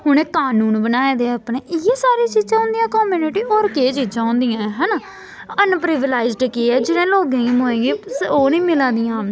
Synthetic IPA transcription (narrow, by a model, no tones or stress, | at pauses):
ɦʊɳ̃ẽːkaːnuːnbənaːeːd̪eːəpneːʔɪjeːsaːɾiːt͡ʃiːd͡ʒãːõːnd̪ijãːkoːmjuːnɪʈiːʔɔːɾkeːt͡ʃiːd͡ʒãːõːnd̪iːãːɦɛːnaː | ənpɾɪʋəlaːɪzɖkiːɛːd͡ʒɪɽẽːloːɡẽːɡimoːẽːɡeːsoːnĩːmɪlãːd̪ijãː